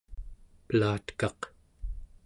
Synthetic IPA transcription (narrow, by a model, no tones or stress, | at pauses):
pəlaːt̪kɑq